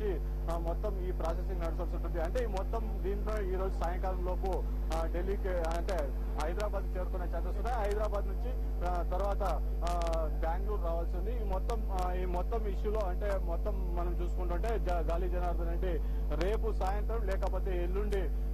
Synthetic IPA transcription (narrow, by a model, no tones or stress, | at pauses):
i | mɔt̪ːɐmiːpɾaːsesiŋɡnɐɽisɐlsuɳʈund̪iɐɳʈe̞ːimɔt̪ːɐmd̪iːnʈ̪oːiːɾo̞ːd͡ʒusaːjɐŋkaːɾɐmlo̞ːpu | ɖe̞lːiːki | ɐɳʈe̞ː | ɦɐjd̪ɾaːbaːd̪it͡ʃe̞ːɾukunːat͡ʃeːt̪ɐst̪unːaːjiɦɐjd̪ɾaːbaːd̪nuɲt͡ʃi | t̪ɐɾuʋaːt̪ɐ | bjaːŋɡluːɖɾaːʋɐlsind̪imɔt̪ːɐm | imɔt̪ːɐmiʂjulo̞ːɐɳʈe̞ːmɔt̪ːɐmːɐnɐmt͡ʃuːsu̥kuɳʈuɳʈe̞ːd͡ʒɡaːlid͡ʒɐnaːɾd̪ɐnɐɳɖi | ɾe̞ːpusaːjɐnt̪ɾɐmlɛːkɐpo̞ːt̪e̞ːelːuɳɖi